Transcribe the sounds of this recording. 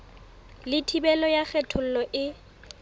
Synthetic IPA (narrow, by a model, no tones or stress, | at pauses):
lɪtʰibɛlɔjak͡xɛtʰʊl̩lɔʔɪ